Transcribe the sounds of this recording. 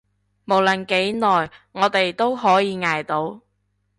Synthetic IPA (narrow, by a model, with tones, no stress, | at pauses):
mo˨˩wlə˨˩nke˨˥jnɔː˨jŋɔː˨˧t̪e˨jt̪o˥wɦɔː˨˥jiː˨˧ŋaː˨jt̪o˨˧˥w